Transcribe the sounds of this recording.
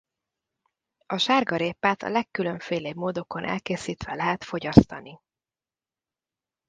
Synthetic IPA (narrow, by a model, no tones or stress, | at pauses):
ɒʃaːrɡɒɾeːpːaːt̪ɒ̰lɛkːylø̞ɱfeːleːbmoːd̪o̞ko̞nʔɛ̰lkeːsiːt̪ʋɛlɛɦɛt̪fo̞ɟɒst̪ɒni